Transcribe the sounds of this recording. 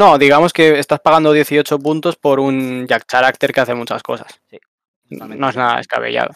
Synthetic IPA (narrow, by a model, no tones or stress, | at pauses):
no̞ðiɣamo̞ske̞ːst̪aspaɣ̞and̪o̞ðje̞θio̞t͡ʃo̞punt̪o̞spo̞ɾunʎak̚t͡ʃaɾak̚t̪e̞ɾke̞aθe̞mut͡ʃasko̞̰sas | i | no̞e̞znaða̰eska̰β̞ḛʝa̰ðo